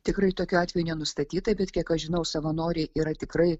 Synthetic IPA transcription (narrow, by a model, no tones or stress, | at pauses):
t̪ʲɪkɾɐɪt̪oːkʲuɑːt̪ʲʋʲɛjunʲɛnʊst̪ɐt̪ʲiːt̪ɐbʲɛt̪kʲiɛkɐʒʲɪnɐʊsɐʋɐnoːɾʲɛɪʔiːɾɐt̪ʲɪkɾɐɪ